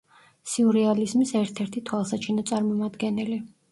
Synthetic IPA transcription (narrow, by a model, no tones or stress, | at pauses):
siuɾɛalizmisɛɾt̪ʰɛɾt̪ʰit̪ʰwalˠsat͡ʃʰinɔt̪sʼaɾmɔmad̪ɡɛnɛli